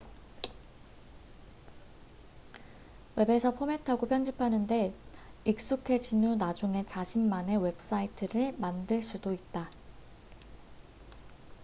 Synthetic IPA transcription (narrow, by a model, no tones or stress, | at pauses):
we̞be̞sʰʌpʰome̞tʰaɡopʰjʌnd͡ʑipʰanɯnde̞ik̚s͈ukʰe̞t͡ɕinunad͡ʑuŋe̞t͡ɕaɕʰimːane̞we̞p̚s͈aitʰɯɾɯɭmandɯɭs͈udoit̚t͈a